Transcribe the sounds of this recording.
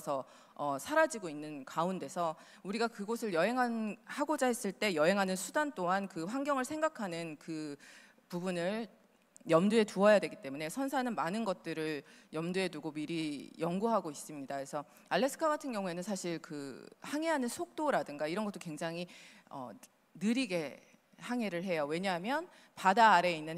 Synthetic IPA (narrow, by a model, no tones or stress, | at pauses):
sʰʌ | ʌsʰaɾad͡ʑiɡoinːɯnkaunde̞sʰʌ | uɾiɡakɯɡosʰɯɭjʌɦe̞ŋɦanhaɡod͡ʑaɦe̞s͈ɯɭt͈e̞jʌɦe̞ŋɦanɯnsʰudant͈oɦankɯɸwaŋɡjʌŋɯɭsʰe̞ŋɡakʰanɯnkɯ | pubunɯɭ | jʌmdue̞tuʌjadweɡit͈e̞mune̞sʰʌnsʰanɯnmanɯnɡʌt̚t͈ɯɾɯɭjʌmdue̞duɡomiɾijʌŋɡuɦaɡois͈ɯmɲidaesʰʌ | aɭːe̞sʰɯ̥kʰaɡatʰɯnɡjʌŋue̞nɯnsʰaɕʰiɭkɯhaŋe̞ɦanɯnsʰok̚t͈oɾadɯŋɡaiɾʌnɡʌt͈okwe̞ŋd͡ʑaŋɦiʌ̰ | nɯɾiɡe̞ | haŋe̞ɾɯɭɦe̞jowe̞ɲaɦamjʌn | padaːɾe̞inːɯn